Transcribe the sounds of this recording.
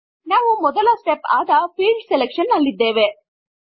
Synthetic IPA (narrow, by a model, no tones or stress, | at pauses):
naːʋumɔd̪ɐlɐsʈepaːd̪ɐpʰiːlɖsɛlekʂɐnːɐlːid̪ːeːʋe̞